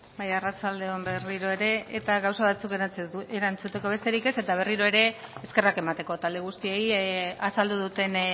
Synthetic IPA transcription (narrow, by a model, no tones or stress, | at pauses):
bajarat͡sald̪e̞omberiɾo̞e̞ɾe̞ːt̪aɣawsaβat͡sukeeɾant͡sut̪e̞ko̞β̞e̞st̪e̞ɾike̞se̞t̪aβ̞e̞riɾo̞e̞ɾe̞ːske̞rake̞mat̪e̞ko̞t̪ald̪e̞ɣ̞ust̪iejasald̪uðut̪e̞n